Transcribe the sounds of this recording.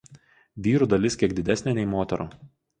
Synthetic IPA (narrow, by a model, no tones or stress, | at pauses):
ʋʲiːɾuːˑd̪ɐlʲɪskʲiɛɡd̪ʲɪd̪ʲæsʲnʲenʲɛɪmoːt̪ʲɛɾṵː